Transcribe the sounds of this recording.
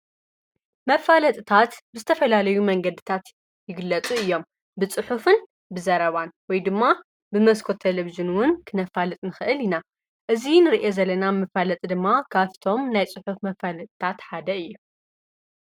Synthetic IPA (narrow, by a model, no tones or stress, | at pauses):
mɐfalɐt̪ʼɨt̪ʰat̪bɨzɨt̪ʰɐfɐlalɐjumɐŋɡɐd̪ɨt̪ʰat̪ | jɪɡɨlːɐt͡sʼuɨjːo̞m | bɨt͡sʼɨħufɨn | bɨzɐɾɐβanwɔjd̪ɨmːa | bɨmɐskʰot̪ʰːelɐβizɨnwʊnkʰɨnɐfalɨt̪ʼnɨxɨʔɨlina | ʔɨzinɨɾiʔezɐlːɐnamɨfalɐt̪ʼd̪ɨmːakʰaft̪ʰo̞mnajt͡sʼɨħufmɐfalɐt̪ʼt̪ʰat̪ħad̪ɐɨjːu